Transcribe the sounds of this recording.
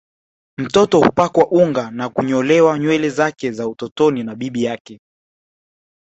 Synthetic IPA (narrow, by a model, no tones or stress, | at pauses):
m̩tɔtɔhupakwaʔuŋɡanakuɲɔlɛwaɲwɛlɛzakɛzautɔtɔninaɓiɓijakɛ